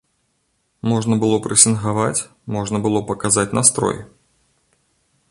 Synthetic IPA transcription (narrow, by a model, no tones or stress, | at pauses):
mɔʐnɐbɨlˠɔpɾɨsʲinɣavat͡sʲ | mɔʐnɐbɨlˠɔpɐkazat͡sʲnast̪ɾɔ̰j